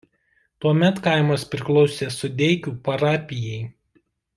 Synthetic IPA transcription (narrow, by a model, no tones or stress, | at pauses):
t̪uɔmʲɛt̪kɑˑɪmɐspʲɾʲɪklˠɒʊsʲeːsʊd̪ʲɛɪkʲuːpɐɾɑːpʲɪjɛɪ